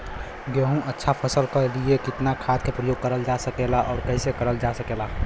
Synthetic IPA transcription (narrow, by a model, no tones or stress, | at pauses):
ɡeɦũʔətːʃʰapʰəsəlkəliekɪt̪nakʰaːt̪̚kepɾəjoːɡ̚kːəɾəld͡ʒasəkelaʔɔːɾkɛɪsekəɾəld͡ʒasəkela